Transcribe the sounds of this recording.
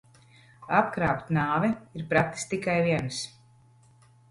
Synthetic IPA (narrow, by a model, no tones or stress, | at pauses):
apkɾaːpt̪ʲnaːvɛiɾpɾat̪ːi̥st̪ikajviɛns